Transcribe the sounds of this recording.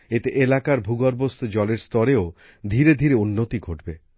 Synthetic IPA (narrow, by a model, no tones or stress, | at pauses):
et̪eʔelakaɾbʱuɡɔɾbost̪ʰud͡ʑɔleɾst̪ɔɾeo | d̪ʱiɾed̪ʱiɾeunːot̪iɡʱoʈbe